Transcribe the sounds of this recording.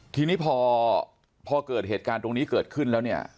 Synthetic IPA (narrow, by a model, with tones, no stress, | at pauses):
t̪ʰiː˧niː˦˥pʰɔː˧ | pʰɔː˧kɤː˨˩t̪̚heː˨˩t̪̚kaː˧nt̪o˧ŋniː˦˥kɤː˨˩t̪̚kʰɯ˥˩nlɛː˦˥wni˥˩ɐ